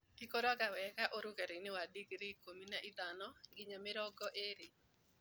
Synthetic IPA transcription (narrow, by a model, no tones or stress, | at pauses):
ikoɾɔɡawɛkaʔoɾʊkɛɾɪnɪwadiɡɾikominaʔid̪anɔɡɪɲamɪɾɔɡɔʔeɾɪ